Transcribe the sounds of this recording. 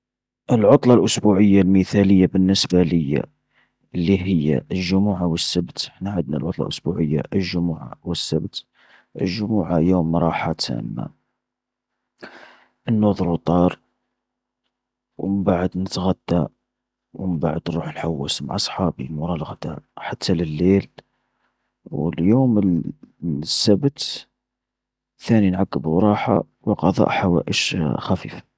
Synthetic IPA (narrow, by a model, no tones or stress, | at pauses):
ʔəlʕot̪ˤlɑlʔʊsbuʕəjːalməθæləjːabənːəsbaləjːa̰ | əlːiɦəjːa̰ʔəlʒʊmuʕawəsːəbt̪əħnaʕəd̪na̰lʕʊt̪ˤlɑ̰ʔʊsbuʕəjːaʔəlʒʊmuʕa̰wəsːəbt̪ | ʔə̰lʒʊmuʕajumːɾˤɑħat̪ʰæ̰mːa̰ | ʔənːʊðˤlut̪ˤɑɾˤ | wməmbaʕəd̪nət̪ɣæd̪ːa | wməba̰ʕəd̪nɾuħəlħawːæsmʕɑsˤħɑbimʊɾˤɑlɣd̪̥a̰ʔħat̪ːaləlːel | wəljuməl | sːæbt̪ | θæninʕakːəbuɾˤɑħa̰ | wəqɑðˤɑ̰ʔħawæ̰ʔəʃxæfḭːfḁ